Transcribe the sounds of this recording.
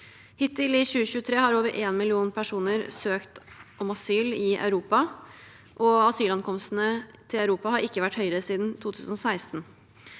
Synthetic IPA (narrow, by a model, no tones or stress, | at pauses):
hɪt̪ɪlɪɕʉːəɕʉːət̪ʰɾeːhɑɾoːʋəɾʔeːnmɪlɪuːnpʰæʂuːnəɾsøːkt̪ɔmɑsyːlɪʔɑ̰ʉɾuːpɑ | ʔɔɑsyːlɑnkʰɔmst̪n̩ət̪ʰɪlɑʉɾuːpɑhɑɾɪkːəʋæʈːhœʏɾəsiːd̪nt̪ʰuːt̪ʰʉːsn̩ɔsæɪst̪n